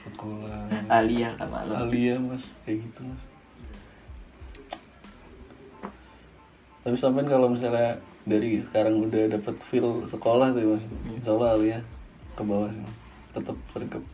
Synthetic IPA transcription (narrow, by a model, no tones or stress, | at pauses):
səkolaaliaka̰ma̰laliamasjaɡit̪umas | t̪apisampaɪnkalomis̬ala | daɾisə̥kaɾaŋudahdapət̪fɪlsəkolaht̪umas̬skolaɦalia | kəbawas̬ima | t̪ət̪əp̚sərɡəp̚